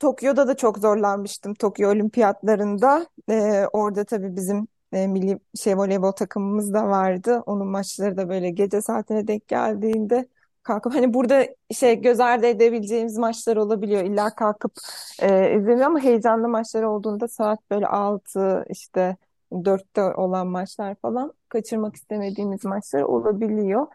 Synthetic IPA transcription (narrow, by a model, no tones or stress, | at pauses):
t̪ʰo̞kʰjo̞d̪ad̪at͡ʃʰokzo̞ɾlˠanmɯʃt̪ɯmt̪ʰo̞kjoolʲimpʰijat̪lˠaɾɯnd̪aɛːo̞ɾd̪at̪ʰabiːbizimː | milʲːiʃejvo̞lʲevo̞t̪ʰakʰɯmɯmɯzd̪avaɾd̪ɯʔo̞nunmat͡ʃlˠaɾɯd̪abø̞jlʲɛɟe̞d͡ʒɛsaːt̪ʰinɛd̪ɛc̚ɟæ̰lʲd̪iːnd̪ɛ | kʰalkɯphanibuɾd̪aiʃt̪ɛɟø̞zæɾd̪ʲɛed̪e̞bilʲed͡ʒe̞jimizmat͡ʃlˠaɾɯo̞lˠabilʲijo̞ilʲːaːkʰalkʰɯpɛːy̰zenijoamaɦe̞jd͡ʒanlˠɯmat͡ʃlˠaɾɯo̞lˠd̪uːnd̪asaːt̪̚b̥ø̞jlʲɛ̰ʔalˠt̪ʰɯḭʃt̪ʰɛ | d̪øɾt̪ːɛo̞lˠanmat͡ʃlˠaɾfalˠankʰat͡ʃʰɯɾmaki̥st̪ʰeme̞d̪iːmizmat͡ʃlˠaɾɯ̰ʔo̞̰lˠabilʲijo̞